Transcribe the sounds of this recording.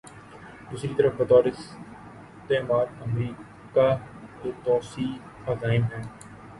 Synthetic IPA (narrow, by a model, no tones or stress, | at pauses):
d̪uːsɾiːt̪əɾəfbət̪ɔːɾɪs | t̪eːmaːɾəmɾiː | kaː | t̪oːt̪ɔːsiː | aːzaːɪmɦɛː